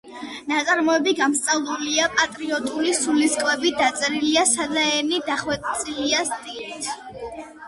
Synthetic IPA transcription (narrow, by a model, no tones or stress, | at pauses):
nat̪sʼaɾmɔɛbiɡamst̪ʼavlˠuliapʼat̪ʼɾiɔt̪ʼulisuliskʼwɛbid̪at̪sʼɛɾiliasad̪aɛnid̪aχwɛt̪ʼt̪sʼiliast̪ʼilit̪ʰ